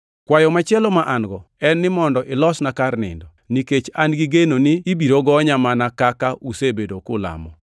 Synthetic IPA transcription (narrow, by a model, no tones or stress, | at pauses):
kwajɔmat͡ʃɪɛlɔmaʔanɡɔɛnːɪmɔndɔʔɪlɔsnakarnɪ̰ndɔniket͡ʃanɡiɡenonɪːbiɾoɡɔɲamanakakausebedokʊla̰mɔ